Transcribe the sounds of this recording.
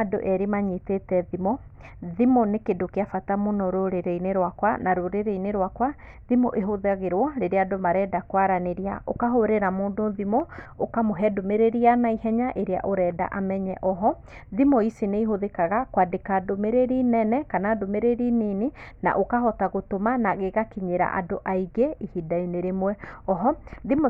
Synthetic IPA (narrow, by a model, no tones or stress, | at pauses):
ado̰ʔɛɾemaɲitetɛðimɔ | ðimɔnekedokeafatamonɔɾoɾeɾeineɾwakwanaɾoɾeɾeineɾwakwa | ðimɔʔeɦoðaɣeɾwɔɾeɾeadomaɾɛdakwaɾaneɾia̰ʔokaɦoɾeɾamoːndoðimɔokamoɦɛdomeɾeɾianaihɛɲaʔeɾea̰ʔoɾɛːda̰ʔamɛɲɛʔɔɦɔ | ðimɔisineiɦoðekaɣakwadekadomeɾeɾinɛnɛkanadomeɾeɾininena̰ʔokahɔtaɣotomanaɣeɣakiɲeɾa̰ʔa̰doʔaiɡeihidaineɾemwɛɔɦɔðim